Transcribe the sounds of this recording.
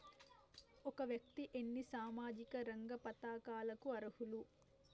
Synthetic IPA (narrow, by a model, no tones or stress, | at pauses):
ɔkɐʋjɐk̚t̪iʔenːisaːmaːd͡ʒikɐɾɐŋɡɐpɐt̪aːkaːlɐkuɐɾɐhulu